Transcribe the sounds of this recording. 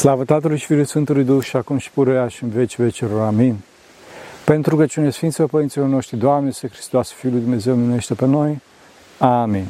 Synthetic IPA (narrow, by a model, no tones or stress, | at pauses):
slavət̪at̪əlujʃfilujsfɨnt̪əlujd̪uxʃiakumʃi̥puɾejaʃiɨnvet͡ʃvet͡ʃeɾoɾamin | pent̪ɾuɡət͡ʃunesfint̪spepəɾint̪silorno̞ʃt̪ɾid̪oamnesexɾi̥st̪oasfiulujd̪umne̞zewmeneʃt̪epenoj | amin